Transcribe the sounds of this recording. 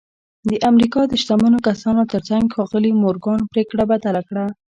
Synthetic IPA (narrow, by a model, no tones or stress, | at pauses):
d̪əʔamɾikɑd̪əʃt̪amənokasɑnot̪əɾt͡saŋɡxɑɣəlimoɾɡɑnpɾekɽabad̪alakɽa